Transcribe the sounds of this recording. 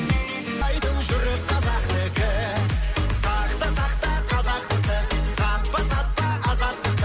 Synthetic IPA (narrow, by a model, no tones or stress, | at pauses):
ɑjd̪əɴʒʏɾɪp̚qʰɑzɑqt̪ɪkʲɪ | sɑqt̪əsɑqt̪ɑqʰɑzɑqt̪əqt̪əsɑt̪̚pəsɑt̪̚pəɑzɑt̪ːəqt̪